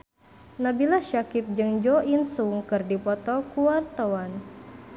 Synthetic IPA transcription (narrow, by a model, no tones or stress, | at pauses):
nabilaʃakip̚d͡ʒɨŋd͡ʒɔʔinsuŋkɨrdipɔt̪ɔkuart̪awan